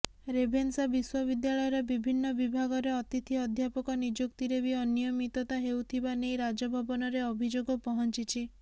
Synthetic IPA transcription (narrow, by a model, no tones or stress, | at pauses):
ɾebʱensabiswɔbid̪jaɭɔjɔɾɔbibʱinːɔbibʱaɡɔɾeɔt̪it̪ʰiɔd̪ʱjapɔkɔnid͡ʒokt̪iɾebiɔnijɔmit̪ɔt̪aɦewt̪ʰibanejɾad͡ʒɔbʱɔbɔnɔɾeɔbʱid͡ʒoɡɔpɔɦɔnt͡ʃit͡ʃʰi